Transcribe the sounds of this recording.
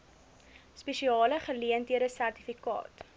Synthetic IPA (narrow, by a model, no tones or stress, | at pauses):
speʃiɑːləχəliəntiəɾdəsærtifikɑ̰ːt